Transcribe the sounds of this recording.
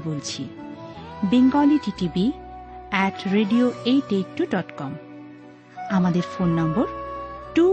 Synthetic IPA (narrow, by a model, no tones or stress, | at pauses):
bolt͡ɕʰḭ | biŋɡaliʈiʈibi | ɛʈɾeɖioejʈeʈːuɖɔʈkɔm | amad̪eɾfonːɔmboɾʈu